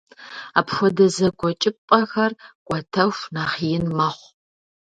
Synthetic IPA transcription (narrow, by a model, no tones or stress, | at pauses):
aːpxʷɔdɐzɐɡʷʼɔt͡ʃʼɪpʼɐxɐrkʷʼɔtʰɐxʷnaːχijɪnmɐχʷ